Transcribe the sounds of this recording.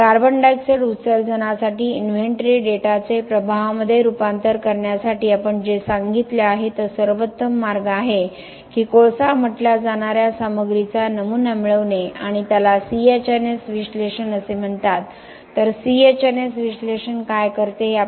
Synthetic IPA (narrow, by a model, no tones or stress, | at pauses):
kaɾbəɳɖajkseɽusəɾd͡zənasaʈiːinʋeɳʈɾiɖeʈat͡sepɾəbʱaʋməd̪ʱːjeɾupant̪əɾkəɾɳjasaʈiːapəɳd͡ʑesaŋɡit̪leaɦet̪əsəɾʋət̪ːəmːaɾɡaɦe | kiːkoɭsam̤əʈlad͡zaɳ̃aɾjasaməɡɾit͡sanəmunamiɭəʋneaɽ̃it̪jalasiet͡ɕənesʋiʂleɕənəsem̤əɳt̪at̪ː | əɾsiet͡ɕənesʋiʂleɕənkajkəɾt̪eɦa